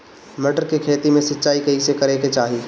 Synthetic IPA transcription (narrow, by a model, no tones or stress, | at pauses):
məʈəɾkekʰeːt̪imẽsɐtːt͡ʃaːikɐɦisekɐɾeket͡ʃaːɦi